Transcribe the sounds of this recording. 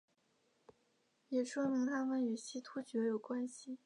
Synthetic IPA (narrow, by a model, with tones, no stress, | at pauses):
jɛ˨˩ʂwɔ˥mi˧˥ŋt̪ʰa˥mə˧˨ny˨˩ɕi˥t̪ʰu˥t͡ɕɥɛ˧˥jo˨˩ʊkwa˥nɕi˨